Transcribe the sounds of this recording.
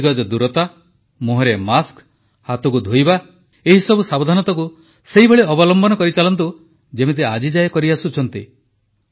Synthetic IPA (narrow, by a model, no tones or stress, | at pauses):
ɡɔd͡ʒɔd̪uɾɔt̪a | moɦeɾemask | hat̪ɔkud̪ʱojba | eɦisɔbusabd̪ʱanɔt̪ɔku | seɦibʱeɭeɔbɔlɔmbɔnɔkɔɾit͡ʃalɔnt̪̬u | d͡ʒemet̪̬ea̰d͡ʒid͡ʒajkɔɾiasut͡ʃʰɔnt̪ḭ